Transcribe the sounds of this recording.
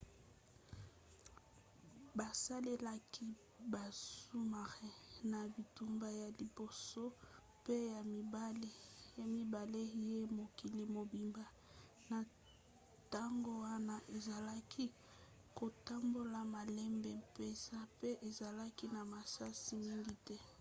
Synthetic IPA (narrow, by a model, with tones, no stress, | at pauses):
ba˨sa˦le˦la˦kʰi˦ | ba˨su˦ma˨ʁɛ˦na˨bi˨tu˦mba˦ja˨li˨bo˨so˦ | pe˦ja˨mi˨ba˦le˦ja˦mi˨ba˨le˦je˦mo˨ki˨li˨mo˨bi˨mba˨ | na˨ | ta˦ŋɡo˦wa˦na˦ʔe˨za˨la˦kʰi˦ | ko˨ta˦mbo˦la˨ma˨lɛ˦mbɛ˨mpe˦sa˦pe˦ʔe˨za˨la˦ki˦na˨ma˨sa˦si˦mi˦ŋɡi˨tɛ˦